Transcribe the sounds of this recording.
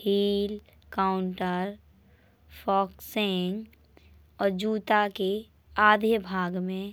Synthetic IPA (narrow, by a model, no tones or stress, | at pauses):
hiːl | kaʊɳʈəɾ | fʰɔːkseŋɡ | ɔːɾd͡ʒuːt̪ake | aːd̪ʱəbʱaːɡmẽ